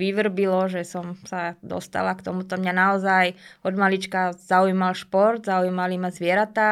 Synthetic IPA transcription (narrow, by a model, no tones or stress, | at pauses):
ʋiʋr̩bilɔʒɛsɔmsad̪ɔ̰st̪a̰lakt̪ɔmut̪ɔmɲanaɔzajɔd̪malit͡ʃkaz̥aujmalʃpɔɾd̪zaujmalimazʋɪɛɾat̪aː